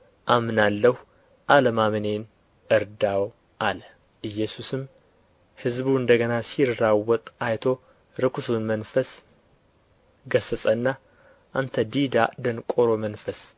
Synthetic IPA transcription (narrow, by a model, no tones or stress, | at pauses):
ʔamnalːəhu | ʔaləmamɨne̞n | ɨɾd̪aw | ʔalə | ʔɨjːɛsusɨm | hɨzbuɨnd̪əɡənasiɾːawːɔt̪ʼajt̪ʰo̞ | ɾɨkʰusunmənfəs | ɡəsəsʼənːa | ʔant̪ʰəd̪id̪a̰d̪ənkʼoɾo̞mənfəs